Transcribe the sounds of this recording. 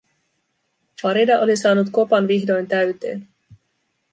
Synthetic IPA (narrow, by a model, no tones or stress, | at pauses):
fɑɾidɑʔo̞lisɑːnut̪ko̞pɑnʋiɦdo̞jnt̪æɥt̪e̞̰ːn